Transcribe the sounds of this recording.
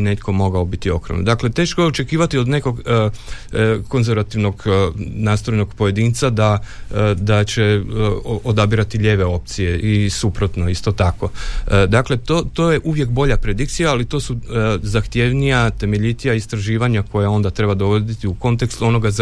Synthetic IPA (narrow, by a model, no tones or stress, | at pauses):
ne̞t̪kʰo̞mo̞ɡaobit̪io̞kɾoʋnod̪akle̞t̪e̞ːʃkojeo̞t͡ʃe̞kiːʋat̪io̞d̪ne̞ko̞ɡ | ko̞nzeɾʋat̪iʋno̞ɡnaːst̪ɾo̞jno̞ɡpo̞je̞d̪iːnt̪sad̪a | d̪at͡ɕe | od̪abiɾat̪iʎʲeːʋe̞o̞p̚t̪sije̞ʔisupɾot̪no̞ist̪o̞t̪ako̞d̪akle̞t̪oːt̪o̞ːje̞ʔuʋje̞kbo̞ʎapɾe̞d̪ikt̪sijaːlit̪o̞ːsuzaxt̪je̞ʋnijat̪e̞me̞ʎit̪ijaist̪ɾaʒiːʋaɲako̞jao̞nd̪at̪ɾe̞bad̪o̞ʋo̞d̪it̪iuko̞nt̪e̞kst̪uo̞no̞ɡaz